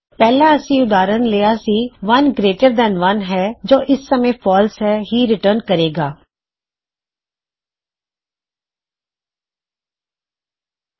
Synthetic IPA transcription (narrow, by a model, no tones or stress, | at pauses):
pɛːlãːəsĩːʊd̪aːɾənleːaːsiːʋɐnɡɾeːʈəɾd̪ɛ̃ːnʋənɦɛːd͡ʒoːʔɪsːəmẽːpʰɔːlsɦɛːɦiːɾɪʈəɾnkəɾeːɡaː